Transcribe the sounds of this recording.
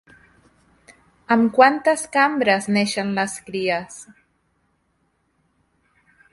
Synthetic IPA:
amkwant̪askambɾazneʃanlaskɾias

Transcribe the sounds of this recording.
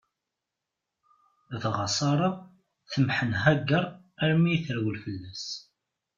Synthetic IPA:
θʁɑsˤɑɾˤɑ | θəmħənɦæɡəɾˤ | æɾmijθəɾwəlfəlːæs

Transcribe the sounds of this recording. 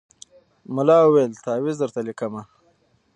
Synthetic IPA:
mʊlɑuwelt̪ɑːwizd̪əɾt̪alikəma

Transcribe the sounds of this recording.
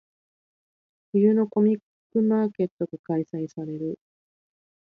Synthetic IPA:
ɸɯ̟jɯ̟no̞ko̞mʲikːɯ̟maːke̞t̪ːo̞ɡakaisaisaɾe̞ɾɯ̟

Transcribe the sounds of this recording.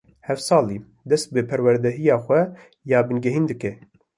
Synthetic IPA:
hɛfsɑːliː | d̪ɛst̪̚bɨpʰɛɾwɛɾd̪ɛɦijɑːxʷɛ | jɑːbɨnɡɛɦiːnd̪ɨkɛ

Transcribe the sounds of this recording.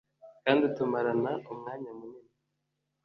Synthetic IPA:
kaːnditumaɾanaʔumŋaːɲamunimi

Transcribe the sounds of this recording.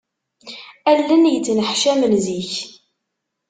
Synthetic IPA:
ælːənjət͡sːnəħʃæmənziç

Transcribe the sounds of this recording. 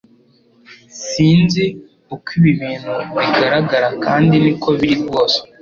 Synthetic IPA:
siːnzi | ukwiβiβiːn̤̥huβiɡaɾaɡaɾakaːndiniko̞βiɾib̚ɡoːse̥

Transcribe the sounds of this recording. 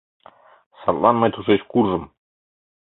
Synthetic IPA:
sɑt̪lˠɑnmɤ̆jt̪uʃeɕkuɾzɤ̆m

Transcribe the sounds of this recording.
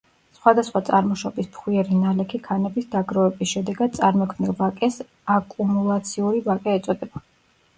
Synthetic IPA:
sχwad̪asχwat̪sʼaɾmɔʃɔbispχwiɛɾinalɛkʰikʰanɛbisd̪aɡɾɔɛbisʃɛd̪ɛɡad̪̥̚t̪sʼaɾmɔkʰmnilˠvakʼɛs | akʼumulˠat̪sʰiuɾivakʼɛːt̪sʼɔd̪ɛba

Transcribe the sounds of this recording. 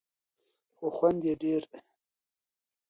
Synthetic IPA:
xoxwand̪jeɖeɾ

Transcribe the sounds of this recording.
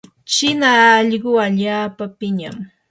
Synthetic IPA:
t͡ʃɪnaːʎɢʊaʎaːpapɪɲa̰m

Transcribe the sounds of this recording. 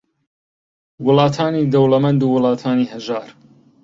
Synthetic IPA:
wʊlˠɑːt̪ʰaːniːd̪ɐwlɐmɐnd̪uːwʊlˠɑːt̪ʰaːnihɐʒaːɾ

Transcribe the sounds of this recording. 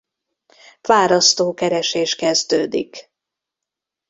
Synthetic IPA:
vaːɾɒst̪oːkɛɾɛʃeːʃkɛzd̪øːd̪ḭk

